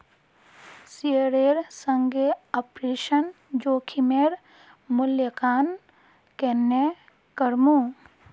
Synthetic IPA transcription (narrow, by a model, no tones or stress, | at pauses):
siəɾeːɾsə̃ŋɡeɔpɾeːʃən | d͡ʒoːkʰimeːɾ | mʊljəkaːn | kenːe | kəɾmũ